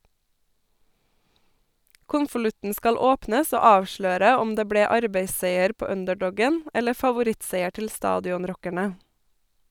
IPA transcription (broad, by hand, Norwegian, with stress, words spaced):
ˈkʊnfəˌlʉtn̩ ˈskɑl ˈoːpnəs ˈoː ˈɑːʋˌʃløːɾə ˈɔm ˈdeː ˈbɽeː ˈɑɾbeɪˌseɪəɾ ˈpoː ˈœndəˌɖɔɡən ˈɛlə fɑʋʊˈɾɪtˌseɪə ˈʈɪl ˈstɑːdɪʊnˌɾɔkəɳə